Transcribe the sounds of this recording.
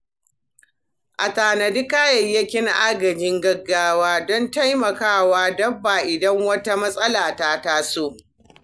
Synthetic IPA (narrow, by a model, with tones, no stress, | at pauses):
ʔa˨taː˨nɐ˨dɪ˦kaː˦jɐ˨jːɐ˦kʲɪ˦ŋʔa̰ː˦ɡɐ˨d͡ʒɪ˦ŋɡɐ˦ɡːaː˦waː˦dɔ˦nta˦jmɐ˨kaː˦˨waː˦dɐ˦bːa˨ʔɪ˨dɐ˦ŋwɐ˦ta˦mɐ˦sʼɐ˦laː˨taː˦taː˦soː˦˨ʔ